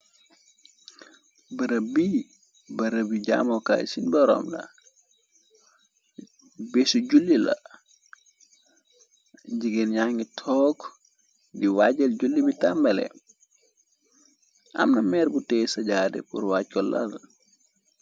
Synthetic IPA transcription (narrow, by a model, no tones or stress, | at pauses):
bɐɾɐbi | bɐɾəbiɟa̰ːmɔka̰jsinbɔɾɔ̰mlɐ̰ | besuɟulːilɐ̰ | ɟiɡenɲaŋɡitʰɔːk | diwaɟɐlɟulːibitambɐlɛ̰ | ʔɐ̰mnɐmɛːrbutɛːsɐɟaːdɛ̰pṵrwaːc̚kɔlːɐ̰l